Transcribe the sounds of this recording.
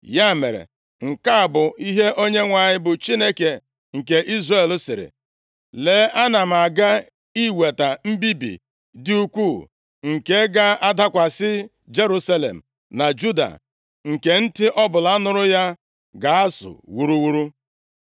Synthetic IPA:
ja˦˨me˨ɾḛ˨ | ŋ̩˨ka˦a˨bʊ˨i˦ɦe˦ʔo˦ɲe˦ŋʷa˨ɲɪ˦bʊ˨t͡ʃi˦ne˦ke˨ | ŋ̩˨ke˨ʔi˦zre˦˨lsɪ˨ɾɪ̰˨ | le˦a˦na˨m̩˨a˨ɡa˦ | i˦we˨ta˨m̩˦bi˦bḭ˨ | dɪ˦u˦kʷu˦˨ | ŋ̩˨ke˦ɡa˦a˦da˦kʷa˨sɪ˦ | d͡ʒe˦ɾu˦sa˦lḛ˨m̩˨ | na˨d͡ʒu˦da̰˨ | ŋ̩˨ke˨n̩˦tɪ˦ʔɔ˦bʊ˨la˦nʊ˦ɾʊ˦ja˦ | ɡa˨a˦sʊ̰˨wu˨ɾu˦wu˦ɾu˦

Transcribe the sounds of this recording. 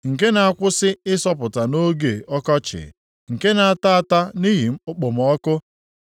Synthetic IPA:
ŋ̩˨ke˦na˨a˨kʷʊ˦sɪ˦ɪ˦sɔ˦p̬ʊ˨ta˨no˦ɡe˨ɔ˦kɔ˦t͡ʃɪ̰˨ | ŋ̩˨ke˦na˨a˨ta˦a˨ta˦ni˦ɦi˨m̩˦ʊ˦k͡pʊ˨m̩˨ɔ˦kʊ˦

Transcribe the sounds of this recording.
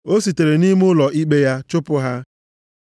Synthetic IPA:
o˦si˨te˨ɾe˨ni˦m˦ʊ˦lɔ˨ʔi˦ɡ͡be˦ja˦t͡ʃʊ˦pʊ˦ɦa˦

